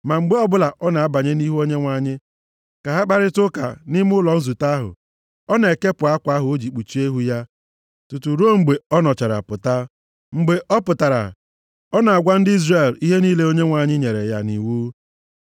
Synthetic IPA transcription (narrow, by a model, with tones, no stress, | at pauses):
ma˨ŋ͡m̩˨ɡ͡be˦ɔ˦bʊ˦la˨ʔɔ˦na˨a˦ba˨ɲe˦ni˦ɦo˦ɲe˦ŋʷa˨ɲɪ˦ | ka˨ɦa˦k͡pa˦ɾɪ˦tʊ˦ka̰˨nɪ˦m˦ʊ˦lɔ˨n̩˦zu˨ta˦ɦʊ̰˨ | ɔ˦na˨e˨ke˦pʊ˨a˦kʷa˨˦a˦ɦʊ˨o˦d͡ʒi˨k͡pu˨t͡ʃi˦e˦ɦu˦ja˦ | tu˨tu˨ɾo˦˨ŋ͡m̩˨ɡ͡be˨ɔ˦nɔ˨t͡ʃa˨ɾa̰˨pʊ˨ta˦ | ŋ͡m̩˨ɡ͡be˨ʔɔ˦pʊ˨ta˨ɾa̰˨ | ɔ˦na˨a˨ɡʷa˦n̩˦dɪ˦i˦zre˨li˦ɦe˦ni˦le˦o˦ɲe˦ŋʷa˨ɲɪ˦ɲe˨ɾḛ˨ja˦nḭ˨wu˦